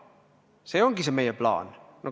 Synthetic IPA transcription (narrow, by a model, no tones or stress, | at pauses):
seoŋkisemejəplɑ̰ːnno